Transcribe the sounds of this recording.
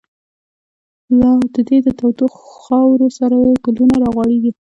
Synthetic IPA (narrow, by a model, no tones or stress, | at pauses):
lɑd̪əd̪ed̪ət̪awt̪ixxɑwɾosaɾajepɪlunaɾɑɣwɑɽeɡi